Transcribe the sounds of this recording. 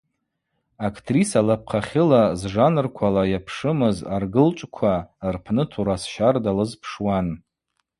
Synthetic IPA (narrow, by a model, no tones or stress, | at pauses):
akʰtʰrisalap̚ʰqʰaχʲɪlazʐanɨrkʷʰalajapʰʂɨmɨzarɡɨlt͡ʃʷʼkʷʰarpʰnɨtʰuɾasʃardalɨzpʰʂwan